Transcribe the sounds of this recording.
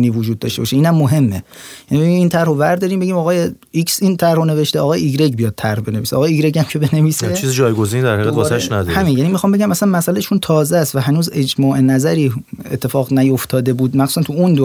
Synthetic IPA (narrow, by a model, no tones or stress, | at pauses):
niːvod͡ʒuːd̪̚ːɒ̰ːʃt̪e̞bɒːʃeiːnæmːoɦe̞mːejænibeimiːnt̪ʰæɾhovæɾd̪ɒːɾiːmbeɟiːmɒːɣɒːje | iksint̪ʰæɾhone̞ve̞ʃt̪eʔɒːɣɒːjeiɡɾeɟbijɒːd̪̚t̪ʰæɾhbe̞ne̞viseʔɒːɣːjeiːɡɾeɟæmcʰe̞bene̞viːset͡ʃizid͡ʒɒːjɡozinid̪æɾhæɣæd̪ɒæʃnæd̪ɔhæmiːnjæniːmixɒmbe̞ɟæmæsænmæsælæʃunt̪ʰɒːzæst̪væɦænuːze̞d͡ʒmɒːʔe̞næzæɾiːḛt̪ʰːe̞fɒːɣnæjo̞ft̪ʰɒːd̪e̞buːd̪mæxsu̥sænt̪ʰuund̪o